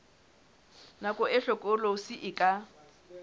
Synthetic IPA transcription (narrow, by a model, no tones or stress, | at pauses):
nakʼʊɛɬɔkʼʊlosɪʔɪkʼa